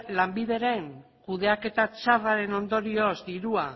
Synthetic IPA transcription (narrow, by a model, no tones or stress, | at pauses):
lambið̞e̞ɾe̞ŋ | kuðe̞ake̞t̪at͡ʃaraɾe̞no̞nd̪o̞ɾio̞zd̪iɾua